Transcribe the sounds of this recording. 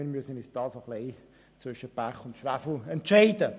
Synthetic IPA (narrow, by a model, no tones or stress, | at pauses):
ɪːɾmyəsənɪt͡sd̥ɑːsɑχleɪ | t͡sʋvʏʃəb̥æχʊntʃʋæfl̩ɛntʃɛɪdə